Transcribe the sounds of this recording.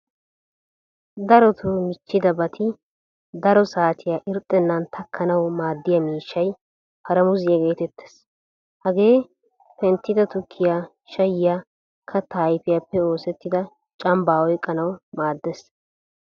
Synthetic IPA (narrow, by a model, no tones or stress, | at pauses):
d̪ɐɾɔt̪ʰumɪt͡ʃːɪd̪ɐbɐt̪ʰɪ | d̪ɐɾɔsaːt̪ʰɪjaːʔɪɾt̪ʼːɛnːɐnt̪ʰɐkʰːɐnɐwmaːd̪ːɪjɐmiːʃːɐj | pʰɐɾɐmʊzɪjɐɡe̞ːt̪ɛt̪ːe̥s | hɐɡe̞ː | pɛnt̪ːɪd̪ɐt̪ʊkʰːɪja | ʃɐjɪjaː | kʰɐt̪ːaːjfɪjapːɛo̞ːsɛt̪ːɪd̪ɐ | t͡ʃʼɐmbaːwɔjkʼːɐnɐwmaːd̪ːes